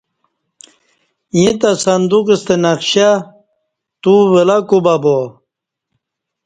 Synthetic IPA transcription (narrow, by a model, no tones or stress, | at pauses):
jĩt̪asɐnd̪ukist̪enakɕa | t̪uvelakubabo